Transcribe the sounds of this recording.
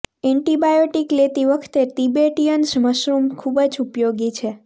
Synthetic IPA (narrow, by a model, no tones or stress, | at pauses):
ɛɳʈibajoʈiklet̪iʋəkʰt̪et̪ibeʈijənsməʃɾumkʰubəd͡ʒupjoɡit͡ʃʰe